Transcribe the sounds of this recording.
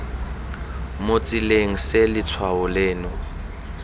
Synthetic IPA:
mot͡sʼileŋ̩selɪt͡sʰwaʊleːnʊ

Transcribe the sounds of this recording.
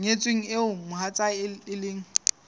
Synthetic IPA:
ŋet͡sʼweŋ̩ɪʊmʊhat͡sʼaɪlɪːŋ̩

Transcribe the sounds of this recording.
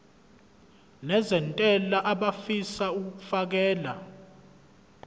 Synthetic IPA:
nɛzɛntʼɛlaʔaɓafisauk̬k̬u̥fak̬ɛːla

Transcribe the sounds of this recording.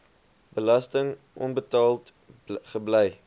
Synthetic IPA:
bəlɐstəŋ | ʔɔ̰nbətɑːlˠt | χəblɛj

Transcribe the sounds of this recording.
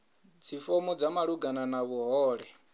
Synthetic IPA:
d͡zʰifɔmɔd͡zamaɺuɡananaβuɦɔːɺɛ

